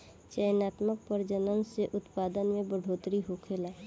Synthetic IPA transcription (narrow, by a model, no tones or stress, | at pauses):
t͡ʃəjnaːt̪mək̚pəɾd͡ʒənənseʔʊt̪paːd̪ənmẽbəɖʱoːt̪ɾiɦokʰela